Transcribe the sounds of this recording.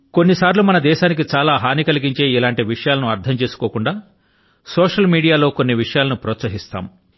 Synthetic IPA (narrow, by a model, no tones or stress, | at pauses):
ko̞nːisaːɾlumɐnɐd̪ɛːʃaːnik̬it͡ʃaːlaːɦaːnikɐliɡiɲt͡ʃe̞ːilaːɳʈiʋiʂɐjaːlɐnuɐɾt̪ʰɐmt͡ʃe̞ːsu̥koːkuɳɖaː | sɔːʂɐlmiːɽijaːlo̞ːkonːiʋiʂɐjaːlɐnupɾɔːt̪sɐɦist̪a̰ːm